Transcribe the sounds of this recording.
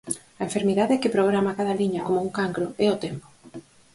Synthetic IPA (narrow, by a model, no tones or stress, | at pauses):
ɐẽɱfeɾmiðaðekɪpɾɔβɾamakaðaliɲakomouŋkaŋkɾoɛot̪empo̥